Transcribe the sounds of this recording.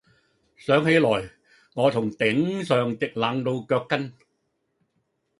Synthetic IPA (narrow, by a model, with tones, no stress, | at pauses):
sœː˨˥ŋhe˨˥jlɔː˨˩j | ŋɔː˨˧t̪ʰʊ˨˩ŋt̪ɪ˨˥ŋsœː˨ŋt̪ɪ˨k̚laː˨˧ŋt̪o˧wkœː˧kːɐ˥n